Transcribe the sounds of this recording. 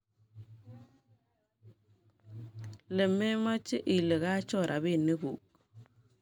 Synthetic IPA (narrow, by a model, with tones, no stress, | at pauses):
le˨me˦ma˦t͡ʃːe˦ʔi˨le˨ka˦t͡ʃɔ˦˨ɾʔa̰˨bi˦˨nːe˦kṵ˨k̚